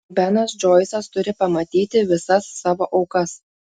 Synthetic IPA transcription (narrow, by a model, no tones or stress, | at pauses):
bʲænɐsd͡ʒoːɪsɐst̪ʊɾʲɪpɐmɐt̪ʲiːt̪ʲɪʋʲɪsɐsːɑːʋoːʔɒʊkɐs